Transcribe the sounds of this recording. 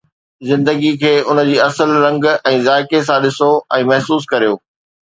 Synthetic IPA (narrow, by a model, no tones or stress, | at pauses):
zɪ̃nd̪əɡikʰeːʊnə̆d͡ʑiːɐsəlɾɐ̃ŋɡɛ̃ːzaːɪkes̬ãɗɪsoɛ̃ːmɐɦsuːs̬kɐɾijoː